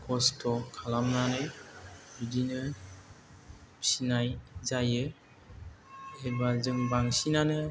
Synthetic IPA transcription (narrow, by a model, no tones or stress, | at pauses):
kʰɔstʰɔkʰalamnanɯjbidinɯ | sinajzajɯ | ebazɯŋbaŋsinanɯ